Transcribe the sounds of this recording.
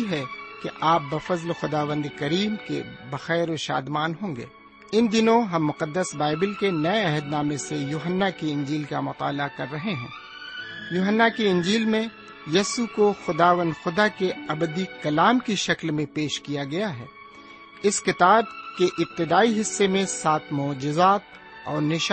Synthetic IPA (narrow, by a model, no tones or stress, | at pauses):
iɦɛkeʔaːp̚bɐfɐzlxʊd̪aːʋə̃nd̪kɐɾiːmkḛbɐxɛːɾoʃa̰ːd̪maːnɦõːŋɡḛː | ɪnd̪ɪnõɦɐmːʊqəd̪ːəsbaːɪbɪlkenɐeɛɦəd̪naːmẽsejuːɦənːakeɪ̃ɲd͡ʒiːlkamʊt̪a̰ːlakɐɾːɐɦeɦɛ̰̃ː | juːɦənːakeɪ̃ɲd͡ʒiːlmẽ | jɐsukoxʊd̪aːʋə̃nd̪xʊd̪akeɐbəd̪ikɐlaːmkiʃɐklmẽpeːʃkijaɡɐjaɦɛ̰ː | ɪskɪt̪aːb̚keʔɪp̚t̪ɪd̪aːiɦɪsːemẽsaːt̪ʰmʊːd͡ʒɪzaːt̪ | ɔːɾnɪʃ